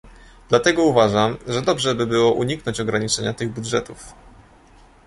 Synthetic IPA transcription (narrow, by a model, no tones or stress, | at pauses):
d̪lat̪ɛɡɔuvaʐamʐɛd̪ɔbʐɛbɘbɘwɔʔuɲiknɔɲt͡ɕɔɡɾaɲit͡ʂɛɲat̪ɘɣbudʐɛt̪uf